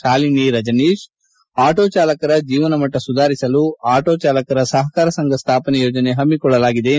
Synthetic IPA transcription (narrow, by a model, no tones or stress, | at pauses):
ʈaːliniɾɐd͡ʒɐniːʃ | aːʈoːt͡ʃaːlɐkɐɾɐd͡ʒiːʋɐnɐmɐʈːɐsud̪ʱaːɾisɐluaːʈoːt͡ʃaːlɐkɐɾɐsɐɦɐkaːɾɐsɐŋɡʱɐst̪ʰaːpɐnɐjoːd͡ʒɐneɦɐmːikɔɭːɐlaːɡid̪e